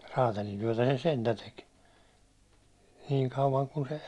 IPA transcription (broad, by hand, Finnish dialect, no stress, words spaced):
rɑːtɑlintyæ̹tæ se sentæ tek niːŋ kɑuʋɑŋ kun se